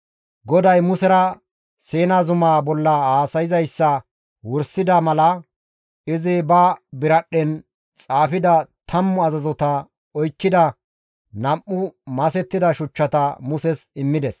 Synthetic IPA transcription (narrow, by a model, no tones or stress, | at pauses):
ɡɔd̪ɐjmʊsɛɾɐ | seːnazʊmaːbɔlːɐhaːsɐjɪzɐjsːɐ | wɔɾsɪd̪ɐmɐlɐ | ɪzɪbɐbɪɾɐɗːɛn | t͡sʼaːfɪd̪ɐt̪ʰɐmːʊɐzɐzɔt̪ɐ | ɔjkːɪd̪ɐ | nɐmʔːʊmɐsɛt̪ːɪd̪ɐʃʊt͡ʃːɐt̪ɐmʊsɛsɪmːɪd̪ɛs